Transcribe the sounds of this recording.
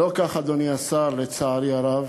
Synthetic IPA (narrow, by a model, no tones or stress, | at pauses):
okaχad̪oniasaɾlet͡saːɾiaɾav